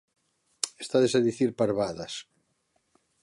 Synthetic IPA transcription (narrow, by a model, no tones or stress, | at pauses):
est̪aðesaðiθiɾpaɾβaðas